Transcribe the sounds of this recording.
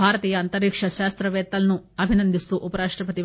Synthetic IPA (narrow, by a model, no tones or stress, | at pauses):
aːɾɐt̪iːjɐːnt̪ɐɾiːkʂɐʃaːst̪ɾɐʋɛːt̪ːɐlɐnuɐbʱinɐnd̪ʱist̪uʔupɐɾaːʂʈɾɐpɐt̪i